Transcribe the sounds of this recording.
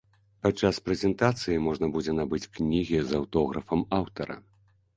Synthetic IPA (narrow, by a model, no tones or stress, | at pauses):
pat͡ʂːaspɾɛzʲɛnt̪at̪sɨjimɔʐnɐbud͡zʲɛnabɨt͡sʲknʲiɣʲizɐwt̪ɔɣɾɐfɐmawt̪ɐɾɐ̰